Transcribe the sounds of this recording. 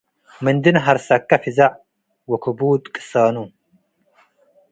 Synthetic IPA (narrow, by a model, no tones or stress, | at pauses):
mɨnd̪ɨnɦɐɾsɐkːɐfizaʕ | wɔkʰɨbuːt̪ʼkʼːɨ̥saːnu